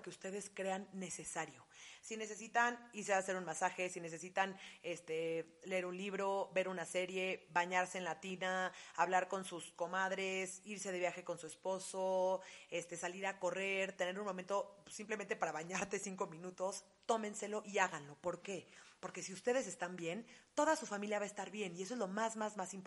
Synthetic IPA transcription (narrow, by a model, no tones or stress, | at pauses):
ke̞ust̪e̞ð̞e̞skɾe̞anːe̞se̞saɾjo̞sine̞s̬e̞s̬it̪aniɾsease̞ɾunmasaxesine̞s̬e̞sit̪ane̞st̪e̞ | leeɾunliβɾo̞be̞ɾunase̞ɾje̞βaɲaɾse̞ːnlat̪inaaβlaɾko̞nsusko̞maðɾe̞siɾse̞ðe̞βjaxe̞ko̞nsue̞spo̞soe̞st̪e̞saliɾako̞re̞ɾt̪e̞ne̞ɾunmoment̪osimplement̪e̞paɾaβaɲaɾt̪e̞siŋko̞mĩnut̪o̞s | t̪o̞mẽ̞nse̞lo̞ʔiaɣanlo̞po̞ɾkepo̞ɾke̞siust̪e̞ð̞e̞s̬e̞st̪ambje̞nt̪o̞ðasufamiljaβae̞st̪aɾβje̞niesoe̞zlomazmazmasimpo